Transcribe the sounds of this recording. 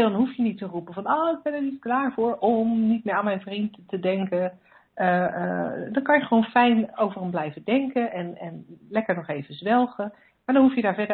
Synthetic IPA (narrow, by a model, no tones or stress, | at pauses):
dɔnɦufjənitərupəfɑnoːɪɡ̚bɛnəɹnisklaːɹvʊːɹɔmnit̚mɪːɹaːnmɛjnvrinttədɛŋkə | ə | dɔnkɑnjəχəʋoːnfɛjnowvərəmblɛjvədɛŋkənɛnɛnlɛkəɹnɔχejvəzʋɛlˠχə | maɹdɔnɦufjədaːɹvɛdə